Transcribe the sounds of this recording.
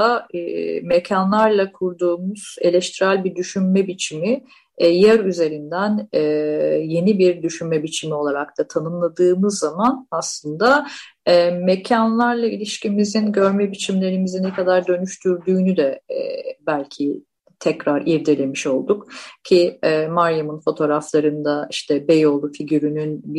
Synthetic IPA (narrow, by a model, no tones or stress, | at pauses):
a | mecʰanlˠaɾlˠakʰuɾd̪uːmuz̥e̞lʲɛʃt̪ʰiɾælʲbid̪yʃynmɛbit͡ʃʰimi | jæɾyze̞ɾind̪ænɛje̞nibiɾd̪yʃynmɛbit͡ʃʰimio̞lˠaɾak̚t̪ʰat̪ʰanɯmlˠad̪ɯːmɯzːamanaslˠɯnd̪a | ɛmecʰanlˠaɾlˠailʲiʃcimizinɟø̞ɾmɛbit͡ʃʰimlʲe̞ɾimizinɛkad̪aɾd̪ø̞nyʃt̪ʰyɾd̪yːnyd̪ɛɛ̰bælʲcʰi | t̪ʰɛcɾaɾiɾd̪elʲe̞miʃo̞lˠd̪ukcʰiɛmaɾjamɯnfo̞t̪ʰo̞ːɾaflˠaɾɯnd̪aiʃt̪ʰɛbejo̞lˠufiɟyɾynynb